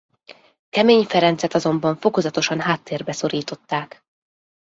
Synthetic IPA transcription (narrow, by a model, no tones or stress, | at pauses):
kɛmeːɲfɛɾɛnt̪sɛt̪ɒzo̞mbɒɱfo̞ko̞zɒt̪o̞ʃɒnɦaːt̪ːeːrbɛso̞ɾiːt̪o̞t̪ːaːk